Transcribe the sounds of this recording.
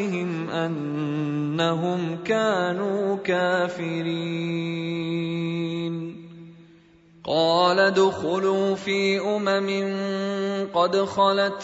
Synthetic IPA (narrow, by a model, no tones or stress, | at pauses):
ɦɪmʔanː | aɦʊmkaːnuːkaːfɪɾi | n | qɑːlad̪ʊxʊluːfiːʔʊmamɪn | qɑd̪xɑlat̪